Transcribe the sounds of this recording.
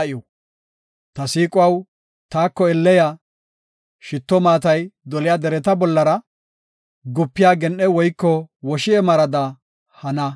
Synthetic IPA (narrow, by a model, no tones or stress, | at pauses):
ʔɪjɔ | t̪ɐsiːkʼʊwɐw | t̪aːkːɔɛlːɛja | ʃɪt̪ːɔmaːt̪ɐjd̪ɔlɪjad̪ɛɾɛt̪ɐbɔlːɐɾɐ | ɡʊpːɪjaːɡɛnʔɛwɔjkːɔwɔʃɪɛmɐɾɐd̪ɐ | hɐnɐ